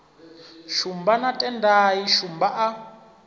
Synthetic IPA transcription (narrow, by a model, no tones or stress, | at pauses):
ʃumbanatʼɛndajiʃumbaʔa